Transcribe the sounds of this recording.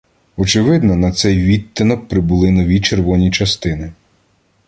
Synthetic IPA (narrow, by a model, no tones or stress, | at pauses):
ɔt͡ʃɪʋɪd̪nɔnɐt̪sɛjʋʲit̪ʲːɪnɔk̚pɾɪbʊlˠɪnɔʋʲit͡ʃerʋɔnʲit͡ʃɐst̪ɪnɪ